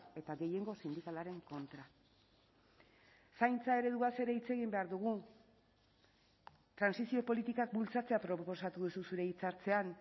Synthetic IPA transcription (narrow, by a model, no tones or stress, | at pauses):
e̞t̪aɣe̞je̞ŋɡo̞sind̪ikalaɾe̞ŋko̞nt̪ɾa | sajnt͡sae̞ɾe̞ðuase̞ɾe̞it͡se̞ɣimbe̞aɾðuɣ̞u | t̪ɾansisio̞po̞lit̪ikak̚bult͡sat͡se̞apɾo̞po̞sat̪uðususuɾe̞it͡saɾt͡se̞an